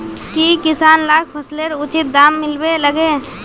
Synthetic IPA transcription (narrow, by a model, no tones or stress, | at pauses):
kikɪsaːnlaːkpʰɐsleɾʊt͡ʃɪt̪̚d̪aːmːɪlbeləɡeː